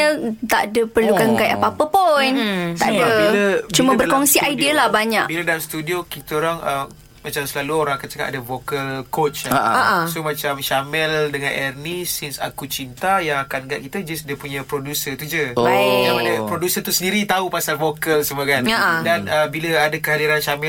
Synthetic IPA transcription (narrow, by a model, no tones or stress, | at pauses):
ət̪aʔdəpərlukaŋɡajʔapapəpunaʔdəit͡ʃumabərkɔŋsiʔajdiəlahbaɲa̰ʔbilədalamst̪udiokit̪əoɾaŋʔə | mat͡ʃamsəlaluoɾaŋakant͡ʃəka̰padəvokəlkot͡ʃaʔsomãt͡ʃamʃamɛldəŋãnʔɛrnisinsa̰kut͡ʃint̪ajaŋakanɡaʔ̚kit̪əd͡ʒasdəpuɲapɾodusət̪ud͡ʒəjamanəpɾodusət̪usəndiɾit̪aupasalvokəlsəməkanaʔdanəbiləadakəɦadiɾanʃamɛl